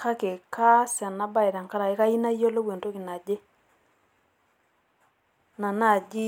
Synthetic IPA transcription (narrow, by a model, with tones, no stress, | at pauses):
ka˦ke˨ka˦sa˨na˦ba˦i˨ɾa˨ŋka˦ɾa˨ɪ˦ka˦i˦na˦jo˦lo˦bwe˨nto˦ki˨na˨d͡ʒe˦ | na˨na˦˨d͡ʒi˦